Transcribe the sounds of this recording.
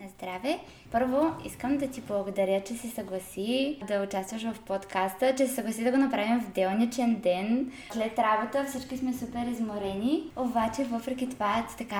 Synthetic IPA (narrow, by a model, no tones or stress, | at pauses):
nɐzd̪ɾavɛ | pɤɾvoḭskəmd̪ɐt̪iblˠɐɡod̪ɐɾʲjət͡ʃɛsɛsɐɡlˠɐsid̪ɐʊt͡ʃast̪vəʃvɐfpot̪kʰast̪ət͡ʃɛsɛsɐɡlˠɐsid̪ɐɡonɐpɾavimvd̪ɛlˠnit͡ʃɛnd̪ɛn | slɛt̪ɾabot̪əfsit͡ʃkismɛsupɛɾizmoɾɛniobat͡ʃɛvɤfɾɛkʲit̪ovat̪t̪ɐka